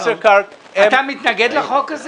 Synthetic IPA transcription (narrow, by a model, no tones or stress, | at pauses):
seka | at̪amit̪naɡed̪leχo̞kːaz